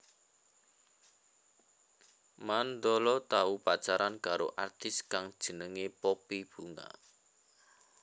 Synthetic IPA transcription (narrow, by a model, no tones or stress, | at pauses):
mand̪ɔlɔt̪aupat͡ʃaɾankaɾo̰ʔart̪ɪskaŋd̥ʒ̥ə̤nəŋepɔpib̥ṳŋa̰